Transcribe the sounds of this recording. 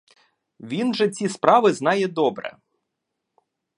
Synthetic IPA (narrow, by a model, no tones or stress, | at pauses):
ʋʲinʒɛt͡sʲispɾɑʋɪznɑjɛd̪ɔbɾɛ̰